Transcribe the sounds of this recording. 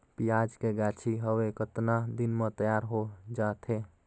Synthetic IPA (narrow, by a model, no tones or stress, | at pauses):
pijaːd͡ʒkeɡaːt͡ʃʰiɦəwekət̪nad̪ɪnmẽt̪əjaːɾɦod͡ʒaːt̪ʰɦe